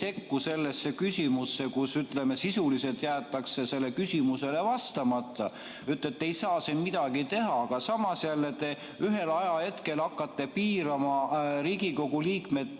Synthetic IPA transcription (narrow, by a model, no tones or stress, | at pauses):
se̞kːuse̞lːe̞sːe̞kysʲimusːe̞kusyt̪le̞me̞sisulise̞lt̪jæːt̪ːˑɑkse̞se̞lːe̞kysʲimuse̞le̞vɑst̪ɑmɑt̪ːˑɑ | yt̪ːlet̪ːˑe̞jsɑːsenmid̪̥ɑɡ̥it̪e̞ɦɑɑɡ̥ɑsɑmɑsjælːet̪e | yɦe̞lɑjɑhe̞t̪ke̞lɑkːˑɑt̪ːe̞piːɾɑmɑɾiːɡiko̞ɡuliːkme̞t̪